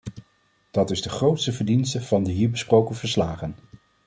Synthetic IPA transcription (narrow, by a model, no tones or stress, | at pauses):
d̥ɑtɪzdəχrowtstəvəɹdinstəv̥ɑndəɦiːɹbəsprowkənvəɹslaːχən